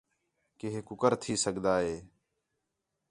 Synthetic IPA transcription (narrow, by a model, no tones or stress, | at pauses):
kɪɦeːkʊkəɾt̪ʰiːsəɠd̪aːɦeː